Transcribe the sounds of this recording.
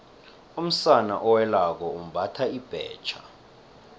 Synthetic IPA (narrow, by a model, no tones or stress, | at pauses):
um̩sanaʔɔwɛlak̬ɔum̩bʱatʰaib̥ʱɛ̰ːt͡ʃʰḁ